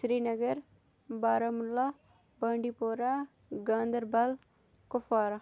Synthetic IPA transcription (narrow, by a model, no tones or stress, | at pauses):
ʃɾiːnɐɡəɾ | baːɾɐmla | baːɳɖiːpoːɾa | ɡãːnd̪əɾbɐl | kʊfaːɾa